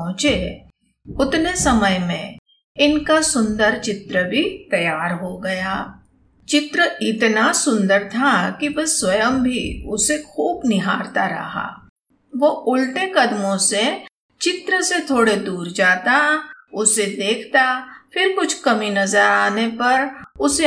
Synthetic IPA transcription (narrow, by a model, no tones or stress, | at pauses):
ɦʊ̃t͡ʃe | ʊt̪nesɐməjmẽ | ɪnkasʊ̃nd̪əɾt͡ʃɪt̪ɾəbʱit̪ɐjaːɾɦoɡɐjaː | t͡ʃɪt̪ɾəɪt̪nasʊ̃nd̪əɾt̪ʰakiʋɐswɐjəmbʱiʊsexuːbnɪɦaːɾt̪aɾɐ̰ɦa̰ː | ʋoʊlʈekɐd̪mõse | t͡ʃɪt̪ɾəset̪ʰoːɽed̪uːɾd͡ʒaːt̪aʊsed̪eːkʰt̪afɪɾkʊt͡ʃʰkɐminɐzəɾaːnepɐɾʊse